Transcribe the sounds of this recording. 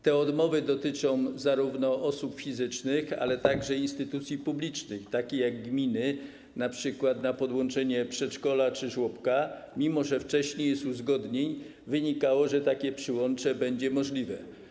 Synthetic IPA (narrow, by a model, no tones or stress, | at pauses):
t̪ɛɔd̪mɔvɘd̪ɔt̪ɘt͡ʂɔ̃w̃zaɾuvnɔʔɔsupfʲizɘt͡ʂnɘxa̰lɛt̪aɡʐɛinst̪ɘt̪ut̪sʲjipublʲit͡ʂnɘxt̪akʲejaɡːmʲinɘ | napʂɘkwat̪napɔd̪wɔnt͡ʂɛɲɛpʂɛtt͡ʂkɔlat͡ʂɘʐwɔpkamʲimɔʐɛft͡ʂɛɕɲejɛst̪uzɡɔd̪ɲeɲ | vɘɲikawɔʐɛt̪akʲɛpʂɘwɔnt͡ʂɛbɛɲd͡ʑɛmɔʐlʲivɛ